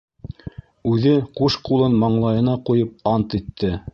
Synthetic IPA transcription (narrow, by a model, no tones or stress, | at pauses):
ʉðɘquʃqulˠɤnmɑɴlˠɑjɤ̆nɑqujɤp̚ɑnt̪it̪ʰːɘ